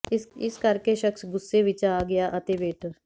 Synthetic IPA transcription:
ɪskəɾkeʃəksɡʊsːeʋɪt͡ʃaːɡɪjaːʔət̪eːʋeːʈʰəɾ

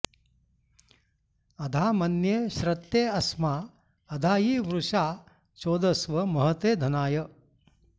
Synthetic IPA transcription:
ɐd̪ʱaːmɐnjeːʃɾɐt̪jeːɐsmaː | ɐd̪ʱaːjiːʋɾuʂaː | t͡ʃoːd̪ɐsʋɐmɐɦɐt̪eːd̪ʱɐnaːjɐ

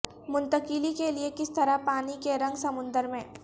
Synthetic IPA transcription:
mʊ̃nt̪əkɪlikeliekɪst̪ɐɾapaːnikeɾɐ̃ŋɡsɐmʊ̃nd̪əɾmẽː

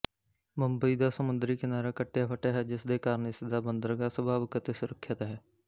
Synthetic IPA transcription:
mə̃mbəid̪asəmʊ̃nd̪ɾikenaːɾekəʈːjapʰəʈaɦɛd͡ʒɪsd̪ekaːɾnesɪd̪abə̃nd̪əɾɡasəbʱaːʋɪkət̪esʊɾəkʰːjət̪ɦɛː

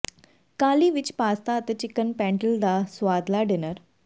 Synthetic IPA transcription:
kaːliʋɪt͡ɕpaːst̪at̪ət͡ɕɪkənpɛ̃ːɳʈəld̪asʋaːd̪laɖenəɾ

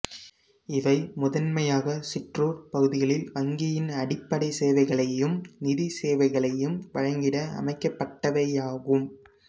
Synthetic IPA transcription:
ɪʋɐɪmʊðɐnmɐjaːɣɐsɪʈruːɾpɐɣɯðɪɣɐɭɪlʋɐŋɡɪjɪnɐɽɪpːɐɽɐɪseːʋɐɪɣɐɭɐjɯmnɪðiseːʋɐɪɣɐɭɐjɯmʋɐɻɐŋɡɪɽɐɐ̰mɐɪkːɐpːɐʈːɐʋɐjaːɣɯm

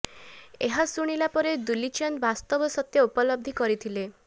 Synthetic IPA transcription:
eɦasuɽ̃ilapɔɾed̪ulit͡ʃɔnbast̪ɔbɔsɔt̪jɔupɔlɔb̚d̪ʱikɔɾit̪ʰile

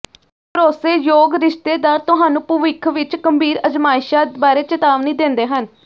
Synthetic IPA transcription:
pəɾoːseːjoːɡɾɪʃt̪eːd̪aːɾt̪ʊɦaːnũːpuʋɪkʰʋɪt͡ʃkəmbiːɾəd͡ʒmaːɪʃaːbaːɾeːt͡ʃət̪aːʋniːd̪ẽnd̪eːɦən

